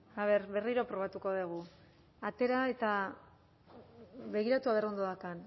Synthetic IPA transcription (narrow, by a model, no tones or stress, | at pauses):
aβ̞e̞ɾβe̞riɾopɾo̞β̞at̪uko̞ðeɣ̞u | at̪e̞ɾae̞t̪a | βe̞ɣ̞iɾat̪uaβeɾo̞nd̪oðakan